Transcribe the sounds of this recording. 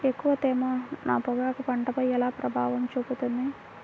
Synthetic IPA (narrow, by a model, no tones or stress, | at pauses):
ekːuʋɐt̪ɛːmɐnaːpɐɡaːkupɐɳʈɐpɐjɛlaːpɾɐbʱaːʋɐmt͡ʃuput̪und̪i